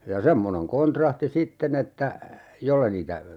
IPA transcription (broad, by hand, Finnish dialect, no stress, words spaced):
jɑ semːoneŋ kontrɑhti sitːen etːæ jolːe niːtæ